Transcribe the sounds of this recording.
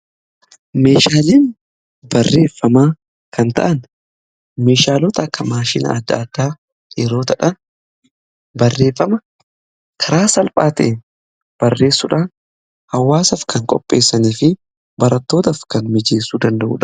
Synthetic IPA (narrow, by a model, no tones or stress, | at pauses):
me̞ːʃaːleːn | bɐrːe̞ːfːɐmaː | kʰɐnt̪ɐ̰ʔɐn | me̞ːʃaːlɔt̪ɐɐkːɐmaːʃɪnɐ̰ɐd̪ːɐ̰ːd̪ːaː | jɛɾo̞ːt̪ɐᶑɐn | bɐrːe̞ːfːɐmɐ | kʰɐɾaːsɐlpʼaːt̪ɐ̰ʔen | b̥ɐrːe̞ːsːʊᶑaːn | hɐwːaːsɐfkɐŋkʼɔ̰pʼːe̞̰ːsːɐniːfɪ | bɐɾɐt̪ːo̞ːt̪ɐfkɐnmɪd͡ʒeːsːuːd̪ɐnd̪ɐʔṵːᶑɐ̥